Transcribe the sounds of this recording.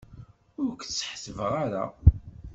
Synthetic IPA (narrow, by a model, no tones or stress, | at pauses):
ʊɾkt͡sːħsəvəʁaɾa̰